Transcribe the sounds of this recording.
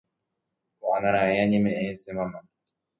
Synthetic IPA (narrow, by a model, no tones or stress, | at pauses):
wanaɾajaɲimɛʔɛsɪmama